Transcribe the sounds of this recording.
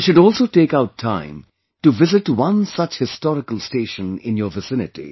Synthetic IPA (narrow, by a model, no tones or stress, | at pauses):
ʃʊɖɔːlsoːʈeːkaʊtʰã̰ɪ̃m | ʈuʋɪzɪʈwʌ̃nsʌt͡ʃhɪstɔɾɪkəlˠsteːʃə̃nɪ̰̃njəːvɪsɪnɪʈḭ